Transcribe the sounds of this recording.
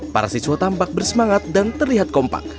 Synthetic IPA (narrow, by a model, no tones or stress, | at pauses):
pa̰ɾasisuwat̪ampak̚bərsəmaŋat̪̚dant̪ərliɦat̪̚kɔmpa̰k̚